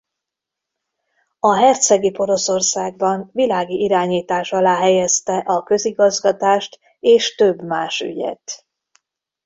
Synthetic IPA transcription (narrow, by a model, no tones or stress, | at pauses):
ɒɦɛrt̪sɛɡipo̞ɾo̞so̞rsaːɡ̚bɒɱvilaːɡiʔiɾaːɲiːt̪aːʃɒlaːɦɛjɛst̪ɛʔɒkø̞ziɡɒzɡɒt̪aːʃt̪ | eːʃt̪ø̞bːmaːʃy̰ɟɛ̰t̪